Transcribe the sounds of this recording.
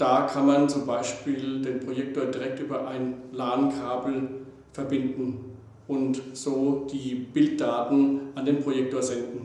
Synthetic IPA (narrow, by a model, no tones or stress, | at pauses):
d̥aːkʰanmant͡sʊmbaɪʃpiːldeːnpʁ̥ojɛk̚toːɐdiʁɛk̚tʔyːbɐʔaɪnlaːnkʰaːbl̩ | fɛɐbɪndn̩ | ʔʊntz̥oːd̥iːb̥ɪlt̚d̥aːtn̩ʔandeːnpʁ̥ojɛk̚toːɐzɛndn̩